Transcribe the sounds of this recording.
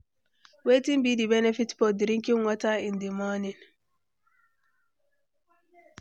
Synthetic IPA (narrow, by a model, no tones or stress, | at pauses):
wetĩnbidibɛnɛfitfɔdɾĩŋkiŋwɔtaĩndimɔnin